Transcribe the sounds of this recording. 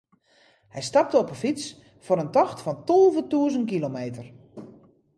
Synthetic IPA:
hɛjstɑp̚təɔpəfit͡s | foɾəntɔxtfɔntolˠvətuəzənkilomeːtər

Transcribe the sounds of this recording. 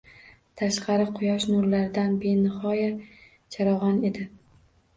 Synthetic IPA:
t̪ʰaʃqʰɑɾɪqʰʊjɒʃnʊɾlaɾd̪anbenɪhɒja | t͡ʃʰaɾɒʁɑne̞d̪ɪ

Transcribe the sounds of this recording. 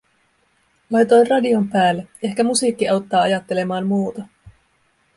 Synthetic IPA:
lɑjt̪o̞jnrɑdio̞mpæːlːee̞hkæmusiːkːiɑwt̪ːɑːɑjɑt̪ːe̞le̞mɑːmmuːt̪ɑ

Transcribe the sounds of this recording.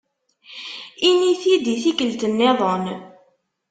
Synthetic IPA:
iniθid̪iθikəlt̪ənːeðˤən

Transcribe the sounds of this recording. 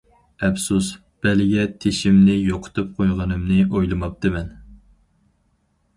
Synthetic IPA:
ɛfsus | b̥ɛlɪɡʲɛt̪ʰeʃɪmnɪjoqʰʊ̥t̪ʰɨp̚qʰojʁɑnɨmnɨʔojlˠɨmɑp̚t̪ɨmɛn

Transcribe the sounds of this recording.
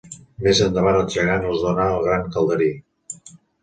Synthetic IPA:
mezənd̪əβanəlˠʒəɣanəzðonaːlˠɣɾaŋkəlˠd̪əɾi

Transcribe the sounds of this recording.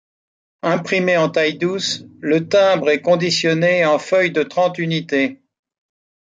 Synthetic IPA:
ɛ̃pχimeɑ̃t̪ajd̪uslət̪ɛ̃bʁɛkɔ̃d̪isjɔneɑ̃fœjd̪ət̪χɑ̃t̪ynit̪e

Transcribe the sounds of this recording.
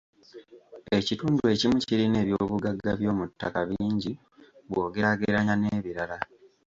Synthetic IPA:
e̞cituːndue̞cimuciɾine̞ːβjo̞ːβuɡaɡːaβjo̞ːmutːakaβiːɲɟi | βwo̞ːɡe̞aɡeɾaɲaneːβiɾala

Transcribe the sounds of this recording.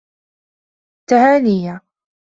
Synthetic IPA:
t̪ahaːnɪja

